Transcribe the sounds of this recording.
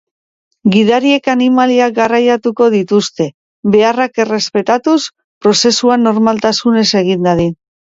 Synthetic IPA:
ɡiðaɾie̞kanimaliaɡarajat̪uko̞ð̞it̪ust̪e̞ | βe̞arake̞re̞spe̞t̪at̪us | pɾo̞se̞suano̞ɾmalt̪asune̞se̞ɣ̞ind̪aðin

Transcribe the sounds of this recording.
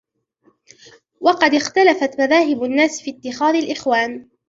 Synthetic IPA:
wɑqɑd̪ɪxt̪alafat̪maðaːɦɪbnːaːsfiːt̪ːɪxaːðalʔɪxwaːn

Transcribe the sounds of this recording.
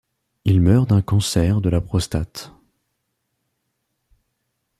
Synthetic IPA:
ilmœʁd̪ɛ̃kɑ̃sɛʁd̪əlapχɔst̪at̪

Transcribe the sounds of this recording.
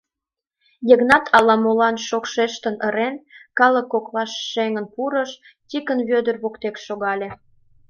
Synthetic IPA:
jəɣnɑt̪ʰɑlɑmolɑnʃokʃeʃt̪ənəɾenkɑlə̆kːoklɑʃːeŋənpuɾəʃ | t̪ʲikənβød̪ərβokt̪ekʃoɣɑlʲe

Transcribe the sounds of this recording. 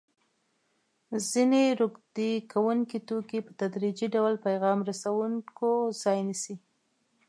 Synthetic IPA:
zineɾoɡd̪ekʰawuŋkit̪okipət̪ad̪ɾid͡ʒiɖawlpajɣɑmɾasawuŋkozɑjnisi

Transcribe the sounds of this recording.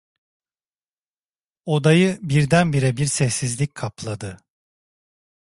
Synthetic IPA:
o̞d̪ajɯbiɾd̪ænbiɾɛbiɾsɛsːizlʲic̚ʲkʰaplˠad̪ɯ

